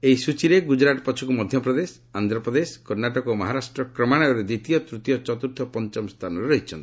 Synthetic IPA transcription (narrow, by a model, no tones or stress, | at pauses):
eisut͡ʃiɾeɡud͡ʒɾaʈɔpɔt͡ʃʰukumɔd̪ʱjɔpɾɔd̪es | and̪ʱɾɔpɾɔd̪eskɔɾnaʈɔkɔmɔɦaɾasʈɾɔkɾɔmaɽ̃ɔjɔɾed̪it̪ijɔt̪ɾut̪jɔt͡ʃɔt̪uɾt̪ʰɔpɔnt͡ʃɔmst̪ʰanɔɾeɾɔɦit͡ʃʰɔnt̪i̥